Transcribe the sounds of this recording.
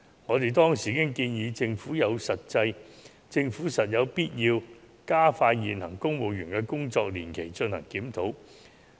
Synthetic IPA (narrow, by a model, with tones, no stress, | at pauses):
ŋɔː˨˧t̪e˨jt̪ɔː˥ŋsiː˨˩kɪ˥ŋkiː˧njiː˨˧t͡sɪ˧ŋfuː˨˥jɐ˨˧wsɐ˨t̚t͡sɐ˧j | t͡sɪ˧ŋfuː˨˥sɐ˨t̚jɐ˨˧wpiː˥t̚jiː˧w | kaː˥faː˧tjiː˨nhɐ˨˩ŋkʊ˥ŋwo˨˧wjyː˨˩nkɛː˧kʊ˥ŋt͡sɔː˧k̚liː˨˩nkʰe˨˩jt͡ʃɵ˧nhɐ˨˩ŋkiː˨˥mt̪ʰo˨˥w